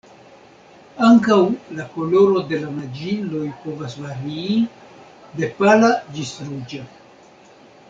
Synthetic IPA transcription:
aŋkawlako̞lo̞ɾo̞de̞lamad͡ʒilo̞jpo̞vasvaɾiː | de̞palad͡ʒisɾud͡ʒa

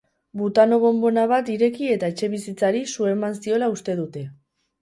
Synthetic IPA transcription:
but̪ano̞βo̞mbo̞naβ̞at̪iɾe̞kie̞t̪ae̞t͡ʃe̞βisit͡saɾisue̞mansio̞laust̪e̞ð̞ut̪e̞

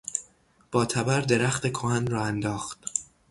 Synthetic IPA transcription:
b̥ɒːt̪ʰæbæɾd̪e̞ɾæxt̪e̞kʰohænrɒːænd̪ɒːxt̪

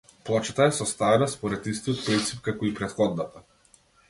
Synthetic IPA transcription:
plˠɔt͡ʃat̪aɛsɔst̪avɛnaspɔɾɛt̪ist̪ijɔt̪̚pɾint̪sip̚kakɔipɾɛt̪xɔd̪nat̪a

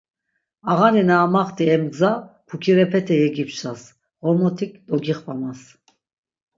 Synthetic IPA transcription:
aʁaninaːmaχt̪ʰiɛmɡd͡zapʰukʰiɾɛpʰɛt̪ʰɛjɛɡipsas | ʁɔmɔt̪ʰikd̪ɔɡiχvamas

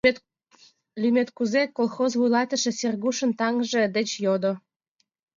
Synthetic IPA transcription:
lymʲet̪kuzekolˠxozvujlɑt̪ə̆ʃĕserɣuʃə̆nt̪ɑŋʒĕd̪et͡ɕjod̪o

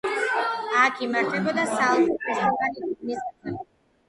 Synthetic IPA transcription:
akʰimaɾt̪ʰɛbɔd̪asalˠmɔisaɡaninisaɛ

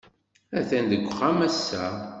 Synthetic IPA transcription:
æθænd̪əɡʷːχæmæsːæ

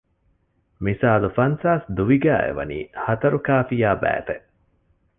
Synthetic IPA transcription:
misaːlufɐnsaːsd̪uʋiɡæːḛʋɐ̰nḭːhɐt̪ɐɾukaːfijaːbæ̰ːt̪eʔ

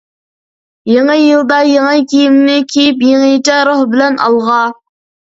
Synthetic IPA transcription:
jeŋəjɨlˠd̪ɑjeŋəkʲʰijimnɪkʲʰijip̬jeŋejt͡ʃɛɾohbɪlɛnʔɑ̰lˠʁɑ

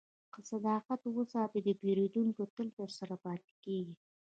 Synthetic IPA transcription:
qəsad̪ɑːqat̪wəsɑt̪ed̪əpeɾed̪uŋkot̪əlt̪əɾsaɾapɑt̪i̥keɡi

